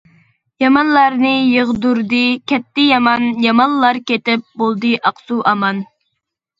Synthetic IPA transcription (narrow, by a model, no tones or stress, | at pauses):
jɑmɑnlˠɑɾnɨjəʁd̪uɾd̪ɨkʲʰɛt̪ːɪjɑmɑnjɑmɑnlˠɑɾkʲet̪ɪp̚bolˠd̪ɨʔɑqsuʔɑmɑn